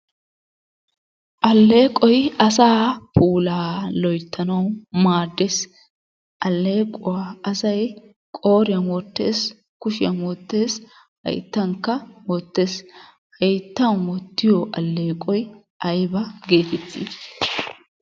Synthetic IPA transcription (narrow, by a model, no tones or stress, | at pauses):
ʔɐlːe̞ːkʼɔjɐsaːpuːlaːlɔjt̪ʰːɐnɐwmaːd̪ːes | ʔɐlːe̞ːkʼʊwaɐsɐj | kʼoːɾɪjɐmɔt̪ːe̞ːs | kʊʃɪjɐmɔt̪ːe̞ːs | hɐ̰jt̪ːɐŋkːɐmɔt̪ːe̞ːs | hɐjt̪ːɐnwɔt̪ːɪjɔʔɐlːe̞ːkʼɔj | ɐjbɐɡe̞ːt̪ɛt̪ːḭː